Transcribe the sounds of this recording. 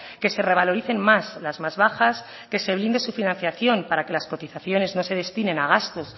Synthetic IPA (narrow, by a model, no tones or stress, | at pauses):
ke̞se̞re̞β̞alo̞ɾiθe̞nmaslazmazβaxas | ke̞se̞β̞lind̪e̞sufinãnθjaθjo̞mpaɾake̞lasko̞t̪iθaθjo̞ne̞zno̞se̞ð̞e̞st̪inẽ̞naɣ̞ast̪o̞s